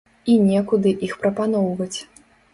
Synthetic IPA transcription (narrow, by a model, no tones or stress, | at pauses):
inʲɛkud̪ɨʔixpɾɐpan̪ɔwvɐt͡sʲ